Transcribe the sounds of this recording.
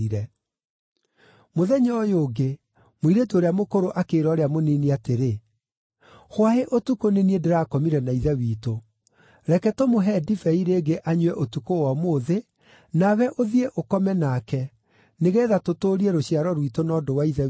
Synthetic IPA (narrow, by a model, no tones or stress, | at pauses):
iɾɛ | moðɛɲɔjoːɡe | moiɾetuoɾeamokoɾoʔakeːɾɔːɾeamoniniateɾe | xwaheʔotukoneniedeɾaːkɔmiɾɛnaiðɛwiːto | ɾɛkɛtomoɦɛdifɛiɾeɡeʔaɲuwɛʔotukowɔmoðe | nawɛʔoðieʔokɔmɛnaːkɛ | neɣɛːðatotoːɾieɾoɕiaɾɔɾwitonɔːdowaiðɛ